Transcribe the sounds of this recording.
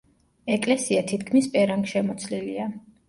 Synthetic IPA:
ɛkʼlɛsiat̪ʰit̪ʰkʰmispʼɛɾaŋɡʃɛmɔt̪sʰlilia

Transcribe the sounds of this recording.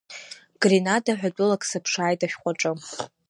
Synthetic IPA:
ɡ̥rinadaħʷᶣat͡pʼʊlakʼsɨpʰʂaːjtʼaʃᶣqʷʼaʈ͡ʂʼɨ

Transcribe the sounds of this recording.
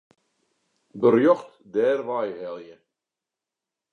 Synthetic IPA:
bərjɔχt | dɛːrʋajhɛlˠjə

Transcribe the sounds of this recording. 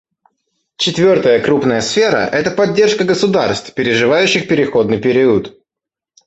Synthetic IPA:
t͡ɕɪt̪vʲo̞rt̪əjəkɾupnəjəsfʲe̞ɾə̰ʔɛt̪əpɐdʲːe̞rʂkəɡəsʊd̪arst̪fpʲɪɾʲɪʐɨvajʉɕːɪxpʲɪɾʲɪxo̞d̪nɨjpʲɪɾʲiət̪

